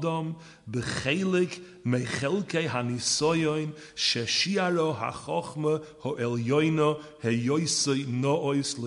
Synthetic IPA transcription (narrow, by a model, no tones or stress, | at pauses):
dɔm | bəχeɪlˠɪk | meɪχɛlˠkeɪɦanɪsɔjɔɪn | ʃɛʃiːaɹɔɦa̰χɔχməhɔʔɛlˠjɔɪnɔ | hɛjoɪsoɪnɔɔɪslˠɪ